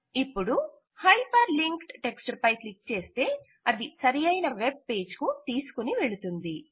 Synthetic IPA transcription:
ipːuɽu | hɐjpɐɾliŋkʈʈe̞ksʈɐɾpɐjklik̚t͡ʃe̞ːst̪e̞ː | ɐd̪isɐɾijɐjnɐʋe̞b̚pe̞ːd͡ʒkut̪iːsu̥kuniʋe̞ɭut̪und̪i

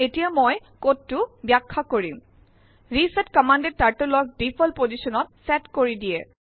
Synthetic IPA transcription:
etijamoj | kotːʊbjakʰːakoɹim | ɹisɛtkɔmanded̚taɹtolɔk̚dipʰɔlpozisɔnɔt̚sɛtkoɹidijɛ

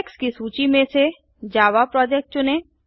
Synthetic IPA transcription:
kskisuːt͡ʃimẽse | d͡ʒaːʋapɾɔːd͡ʒek̚ʈ̚t͡ʃʊnẽ

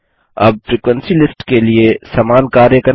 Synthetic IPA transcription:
ɐ̰b̚fɾiːkwə̃nsilɪsʈkeliesɐmaːnkaːɾjəkɐ

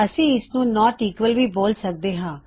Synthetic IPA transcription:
əsĩːɪsnũːnɔ̃ːʈiːkʋəlʋiːboːlsək̚d̪eːɦãː

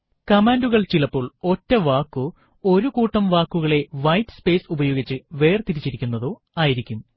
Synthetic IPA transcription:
kɐmaːnduɣɐɭt͡ɕilɐpːoːɭo̞tːɐʋaːkːu | o̞ɾukuːʈːɐmʋaːkːuɣɐɭe̞ʋɐjtːspe̞ːsubɐjo̞ːɡit͡ɕːɨʋe̞ːrt̪iɾit͡ɕːiɾikʲːunːɐðo̞ː | aːjiɾikʲːum

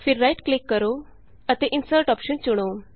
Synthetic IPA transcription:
fiɾɾajʈklikːəɾo | ət̪eʔinsəɾʈɔpɕənt͡ɕuɽ̃o

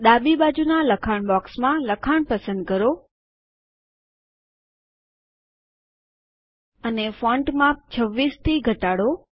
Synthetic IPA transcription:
ɗ̪abiɓad͡ʒunaləkʰaɳ̃bɔksmãləkʰaɳ̃pəsə̃nd̪̚kəɾo | ənefɔ̃ɳʈmap̚t͡ʃʰəʋːist̪ʰiɡʱəʈaɽo

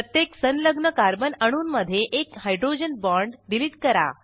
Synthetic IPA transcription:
ət̪jeksənləɡnəkaɾbənəɽ̃uːnməd̪ʱːjeʔekhajɖɾod͡ʑənbɔɾɳɖɖiliʈkəɾa̰

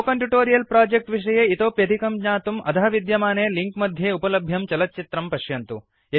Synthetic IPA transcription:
okɐɳʈuʈoːɾijɐlpɾaːd͡ʒek̚ʈʋiʂɐjeːit̪oːpjɐd̪ʱikɐmɡɲaːt̪umɐ̰t̪ʰɐɦɐʋid̪jɐmaːneːliŋkmɐd̪ʱjeːupɐlɐbʱjɐmt͡ʃɐlɐt̪̚t͡ʃit̪ɾɐmpɐʃjɐnt̪u | jɐ

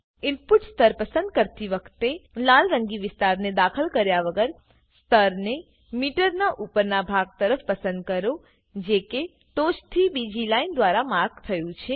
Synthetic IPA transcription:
ɪlpuʈst̪ʰəɾpəsə̃nd̪̚kəɾt̪iʋəkʰt̪elalɾəŋɡiʋɪst̪aɾned̪akʰəlkəɾjaʋəɡəɾ | st̪ʰəɾne | miʈəɾnaʔupəɾnabʱaɡ̚t̪əɾəfpəsə̃nd̪̚kəɾo | d͡ʒeke | t̪oʃt̪ʰibid͡ʒilaind̪ʋaɾamaɾɡ̚t̪ʰəjũt͡ʃʰe

